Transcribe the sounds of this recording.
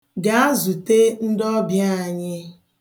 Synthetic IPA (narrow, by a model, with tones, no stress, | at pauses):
ɡa˦a˦zu˨te˦n̩˦dɔ˦bja˦˨a˨ɲɪ˦